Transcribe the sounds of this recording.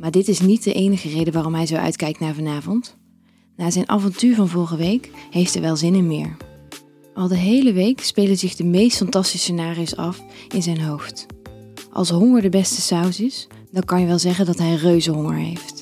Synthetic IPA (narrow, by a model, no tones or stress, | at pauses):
maːɹdɪtɪsnit̚dəʔejnəχərejdəʋaːrɔmɦɛjzowʔœ̰ɥtkɛjk̚tnaːɹvɑnaːvɔnt | naːzɛjnʔa̰ːvɑntyːɹvɑnvɔlˠχəʋejkɦejftɛɹʋɛlˠzɪnɛnmɪ̰ːɹ | ʔɑlˠdəɦejləʋejkspejlənzɪχdəmejstfɑntɑstisənaːriowsɑfɪnzɛjnɦowft | ʔɑ̰lˠsɦʊŋəɹdəbɛstəsawsɪs | d̥ɑŋkɑnjəʋɛlˠzɛχəndɑtɦɛjrøɥzəɦʊŋə̰ɹɦḛjft